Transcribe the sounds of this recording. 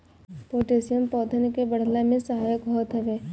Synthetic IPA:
poːʈesijəmpɔːd̪ʰənkebəɽ̤lamẽsəɦaːjəkɦɔːt̪ɦɐʋeː

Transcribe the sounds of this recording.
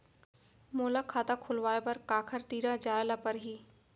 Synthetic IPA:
moːlakʰaːt̪ãkʰʊlʋaːepɐɾkaːkʰəɾt̪iːɾãd͡ʒaːjlapɐɾɦiː

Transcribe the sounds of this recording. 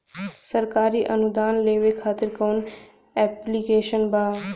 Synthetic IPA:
sɐɾkaːɾiʔɐnʊd̪aːnleːʋekʰaːt̪ɪɾkəun | ɛːplikeːʃənbaː

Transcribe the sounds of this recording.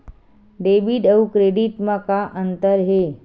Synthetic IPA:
ɖeːbiɖəukɾeːɖɪʈmãkaʔə̃nt̪əɾɦeː

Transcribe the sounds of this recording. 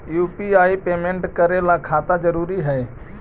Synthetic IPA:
juːpiaːipeːmẽɳʈkəɾelakʰaːt̪ad͡ʒəɾuːɾiɦɛː

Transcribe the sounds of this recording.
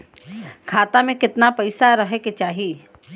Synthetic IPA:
kʰaːt̪amẽkɪt̪napɐɪsaɾɐɦeket͡ʃaːɦi

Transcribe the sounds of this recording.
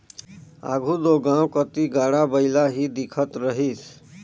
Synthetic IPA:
a̰ːɡʱud̪oɡãːwkət̪iɡaːɽabəɪlaɦid̪ɪkʰət̪ɾəɦiːs

